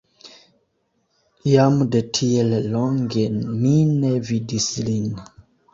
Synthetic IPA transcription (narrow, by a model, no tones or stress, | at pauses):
jamdetʰiellɔŋɡeminevidislin